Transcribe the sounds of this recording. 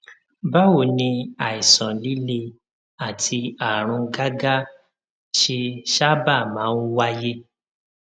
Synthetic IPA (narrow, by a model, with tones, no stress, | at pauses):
ba˦wo˦˨nĩ˧a˨i˨sɔ̃˨li˦le˧ | a˦˨tʰi˧a˨ɾ̃ũ˧ɡa˦ɡa˦ | ʃe˧ʃa˦ba˦˨mãː˨˦u˦wa˦je˦